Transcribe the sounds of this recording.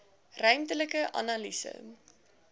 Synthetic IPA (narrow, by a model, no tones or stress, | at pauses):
rœɥmtələkəʔɐ̰nɐlisə̰